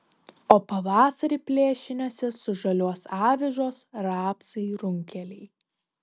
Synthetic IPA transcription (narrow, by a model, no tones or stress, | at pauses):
oːpɐʋɑːsɐɾʲipʲlʲeːʃʲɪnʲoːsʲɪsʊʒɐlʲuɔsɑːʋʲɪʒoːsɾɑːpsɐɪɾʊŋʲkʲɛlʲɛɪ